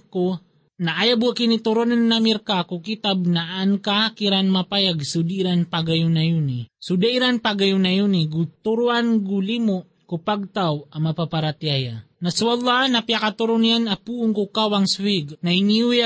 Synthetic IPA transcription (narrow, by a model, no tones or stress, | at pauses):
ko | naʔajabuakinit̪uɾonanːamiɾkakukit̪ab̚naʔːnkakiɾanmapajaɡsud̪iːɾanpaɡajunajunisud̪aiɾanpaɡajunajuniɡut̪uɾuʔanɡulimʊʔ | kupaɡ̚t̪awamapapaɾat̪jaja | naswalːanapjakat̪uɾʊnijanapuʔʊŋkukawaŋswiɡnainiuja